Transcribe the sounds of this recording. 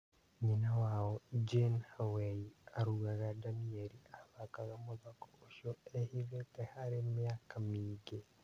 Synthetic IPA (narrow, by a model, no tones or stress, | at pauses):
ɲinawaːwod͡ʒenhawejiaɾuɣaɣadamieɾiaβakaɣamoðako̥oʃoehiβetehaɾemijakʰamiːɡe